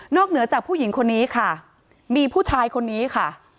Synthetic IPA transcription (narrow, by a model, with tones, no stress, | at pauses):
nɔː˥˩k̚nɯ˩˦ɐt͡ɕaː˨˩k̚pʰuː˥˩ji˩˦ŋkʰo˧nːiː˦˥kʰa˥˩ | miː˧pʰuː˥˩t͡ɕʰaː˧jkʰo˧nːiː˦˥kʰa˥˩